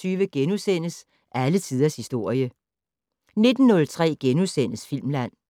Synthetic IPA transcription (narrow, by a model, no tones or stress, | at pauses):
t͡sʰyːʋəɡ̥enusen̰əs | ʔælət͡sʰið̞ˠɐshisd̥o̝ɐ̰jə | ne̝d̥n̩ːɔ̽lt͡sʰʁɛ̰ːɡ̥enusen̰əsfil̰mlæn̰